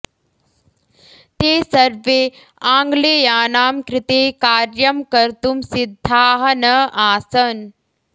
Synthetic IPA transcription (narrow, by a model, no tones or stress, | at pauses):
t̪eːsɐɾʋeː | ãːŋɡleːjaːnaːmkɾɪt̪eːkaːɾjɐmkɐɾt̪umsid̪ʱːaːɦɐnɐʔaːsɐn